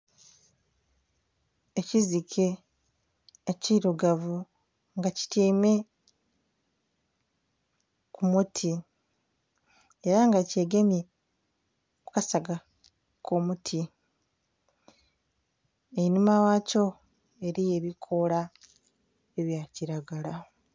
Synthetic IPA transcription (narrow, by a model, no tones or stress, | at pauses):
ecizikʰe̞ | ciɾuɡavu | ŋɡaci̥tiːme̞ | kʰumutʰi | eɾaŋɡace̞ːɡemje̞ | kukasaɡa | kʰomutʰi | einumawaco̞ | e̞ɾije̞βikʰo̞la | e̞βjaciɾaɡala